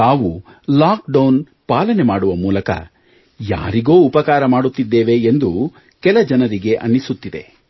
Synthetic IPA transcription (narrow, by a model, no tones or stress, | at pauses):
aːʋu | laːk̚ɖɐwn | paːlɐnemaːɽuʋɐmuːlɐkɐ̰ | ja̰ːɾiɡo̞ːupɐkaːɾɐmaːɽut̪ːid̪ːeːʋe̞ːnd̪u | kɛlɐd͡ʒɐnɐɾiɡe̞ʔɐ̰nːisut̪ːid̪e̞̰